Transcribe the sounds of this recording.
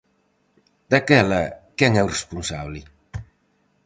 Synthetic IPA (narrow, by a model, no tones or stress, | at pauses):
d̪akɛlɐkɛŋɛwrespunsaβlɪ